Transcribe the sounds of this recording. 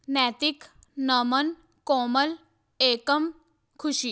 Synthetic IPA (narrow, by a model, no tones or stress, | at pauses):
nɛt̪ik | nəmən | kɔməl | ekəm | kʰuɕiː